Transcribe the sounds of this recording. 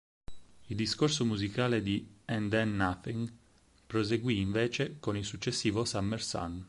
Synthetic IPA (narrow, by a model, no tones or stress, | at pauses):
ild̪iskorsomuzikaːled̪iɛnd̪ɛnːaθiŋ | pɾoz̬eɡwiːɱveːt͡ʃekonilsut͡ʃːesːiːvosamːersa̰n